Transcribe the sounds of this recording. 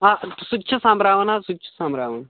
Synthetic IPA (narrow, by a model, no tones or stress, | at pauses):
asutːɕʰɐsãːmbɾaːʋɐnasutːt͡ʃʰɐ̥sãːmbɾaːʋɐna